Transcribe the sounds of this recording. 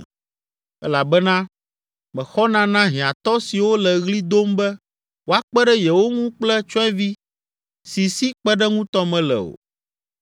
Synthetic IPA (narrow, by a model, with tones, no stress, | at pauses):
ɛ˦la˨bɛ˦nã˦ | mɛ̃˨xɔ˦nã˦nã˦ɦĩ˨ã˨t̪ɔ˦si˨wo˦lɛ˨ɣli˦d̪o˦mbɛ˦ | wo˦a˨k͡pɛ˦ɖɛ˦jɛ˨wo˦ŋũ˦k͡plɛ˦t͡ʃɔ̃˦ɛ̃˦vi˦ | si˨si˦k͡pɛ˦ɖɛ˦ŋũ˦t̪ɔ˦mɛ̃˨lɛ̰˨o̰˨